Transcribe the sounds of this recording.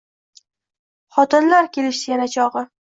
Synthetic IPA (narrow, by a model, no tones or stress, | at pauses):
χɒt̪ɪnlaɾkʲʰe̞lɪʃsɪjanat͡ʃʰɒʁɨ